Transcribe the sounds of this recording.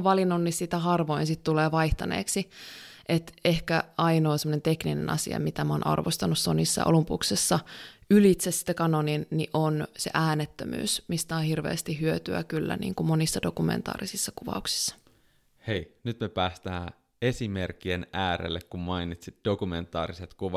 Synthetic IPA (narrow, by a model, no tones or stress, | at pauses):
ʋɑlinːonːissit̪æhɑrʋoinsit̪t̪uleːʋɑiht̪ɑnḛːksiʔet̪ehkæɑinoːsemːonent̪ekninḛnʔɑsḭɑ̰mit̪æmonʔɑ̰rʋost̪ɑnussonisːɑ̰o̰lumpuksesːɑylit̪sessi̥t̪ːækɑnoninniʔonsḛʔæːnet̪ːømy̰ːsmist̪æohirʋḛːst̪iɦyøt̪yæ̰kylːæ̰nḭːŋkumonisːɑdokumḛnt̪ɑ̰ːrisisːɑkuʋɑ̰uksi̥sːɑ̥ | hejnyt̪mepæːst̪æː | esimerkːienæːɾḛlːekkummɑinit̪sit̪̚d̥okument̪ˑɑ̰ːɾiset̪kuʋɑ